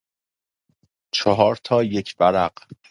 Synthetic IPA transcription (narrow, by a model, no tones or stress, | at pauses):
t͡ʃʰɒɦɒːɾt̪ʰɒːje̞kʰv̥æɾæɢ̥